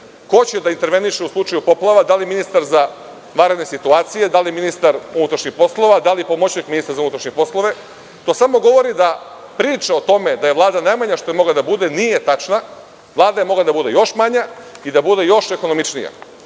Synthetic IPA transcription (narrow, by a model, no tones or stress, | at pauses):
ko̞t͡ɕed̪aint̪e̞ɾʋe̞niʃeuslˠut͡ʃajupo̞plˠaʋad̪alijeminist̪aɾza | ʋaːɾe̞d̪ne̞sit̪uaːt̪sije̞d̪alijeminist̪aɾunut̪ɾaʃɲixpo̞slˠo̞ʋad̪alipo̞mot͡ɕekminist̪ɾazaunut̪ɾaʃɲepo̞slˠo̞ʋe̞ | t̪o̞ːsamo̞ɡo̞ʋo̞ɾid̪a | pɾiːt͡ʃao̞t̪o̞me̞d̪aje̞ʋlˠaːd̪anajmaɲaʃt̪oemo̞ɡlad̪abud̪e̞nije̞t̪at͡ʃna | ʋlˠaːd̪ajemo̞ɡlˠad̪abud̪e̞jo̞ʃmaɲaid̪abud̪e̞jo̞ʃe̞ko̞no̞mit͡ʃnija̰